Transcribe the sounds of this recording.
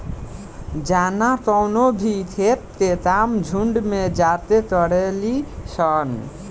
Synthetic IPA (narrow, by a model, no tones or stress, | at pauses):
d͡ʒanakɔwnobʱit̪ʰep̚t̪et̪amd͡ʒʱuɳɖmed͡ʒat̪et̪ɔɽelisʌn